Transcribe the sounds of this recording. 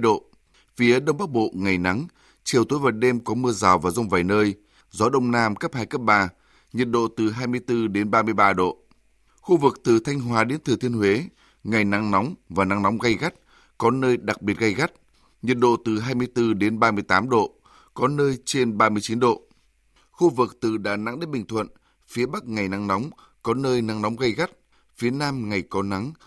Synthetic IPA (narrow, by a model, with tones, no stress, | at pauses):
ɗo̰˧˨ | fi˨˦əɗə˧wŋ͡mɓa˦˥k̚ɓo̰˧˨ŋa˨˩jna˨˦ŋ | t͡ɕi˨˩əwt̪o˨˦jvə˨˩t̚ɗe˧mkɔ˨˦mɨ˧əzaː˨˩wvaː˨˩wzə˧wŋ͡mva˨˩jnəː˧j | zɔ˨˦ɗə˧wŋ͡mnaː˧mkə˦˥p̚haː˧jkə˦˥p̚ɓaː˧ | ɲi˨˩t̚ɗo̰˧˨t̪ɨ˨˩ɦaː˧jmɨ˧əjt̪ɨ˧ɗe˨˦nɓaː˧mɨ˧əjɓaː˧ɗo̰˧˨ | xu˧vɨ˨˩k̚t̪ɨ˨˩t̪ʰa˧jŋ̟ɦwaː˨˦ɗe˨˦nt̪ʰɨ˨˩t̪i˧ənhwe˨˦ | ŋa˨˩jna˨˧˦ŋnɔ˨˦wŋ͡mvaː˨˩na˨˦ŋnɔ˨˦wŋ͡mɣa˧jɣa˦˥t̚ | kɔ˨˦nəː˧jɗa˨˩k̚ɓi˨˩ət̚ɣə˧jɣa˦˥t̚ | ɲi˨˩t̚ɗo̰˧˨t̪ɨ˨˩ɦaː˧jmɨ˧əjt̪ɨ˧ɗe˨˦nɓaː˧mɨ˧əjt̪aː˨˦mɗo̰˧˨ | kɔ˨˦nəː˧jt͡ɕe˧nɓaː˧mɨ˧əjt͡ɕi˨˦nɗo̰˧˨ | xu˧vɨ˨˩k̚t̪ɨ˨˩ɗa̰ː˧˨na̰˨˧˥ŋɗe˨˦nɓï˨˩ŋ̟t̪ʰwə̰˧˨n | fi˨˦əɓa˦˥k̚ŋa˨˩jna˧ŋna˨˦wŋ͡m | kɔ˨˦nəː˧jna˨˦ŋnɔ˨˦wŋ͡mɣə˧jɣa˦˥t̚ | fi˨˦ənaː˧mŋa˨˩jkɔ˨˦na˨˦ŋ